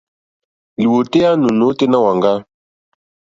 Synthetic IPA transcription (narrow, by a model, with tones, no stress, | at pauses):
li˨wo˨te˦a˦nu˨no˨˦te˦na˦wa˨ŋɡa˦